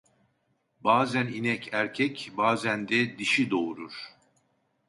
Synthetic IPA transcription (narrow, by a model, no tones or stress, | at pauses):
baːzæninɛcʰæɾcʰɛcbaːzænd̪ɛd̪iʃid̪o̞uɾuɾ̥